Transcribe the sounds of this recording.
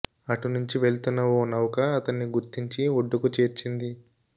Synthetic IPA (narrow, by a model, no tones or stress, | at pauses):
ɐʈunuɲt͡ʃiʋe̞ɭt̪unːɐwoːnɐwɐkɐːt̪ɐnːiɡuɾt̪iɲt͡ʃioɖːukut͡ʃe̞ːɾt͡ʃind̪i